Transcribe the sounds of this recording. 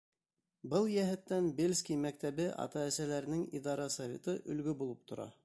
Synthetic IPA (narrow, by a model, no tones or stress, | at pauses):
bɤlˠjæɦɘ̆t̪ːænbelʲskʲijmæk̚t̪æβɘʔɑ̰t̪ɑæsælæɾɘ̆nɘŋiðɑɾɑsɐvʲet̪ɤʔɵ̆lɡɵbulˠɤp̚t̪ʰŏɾɑ̰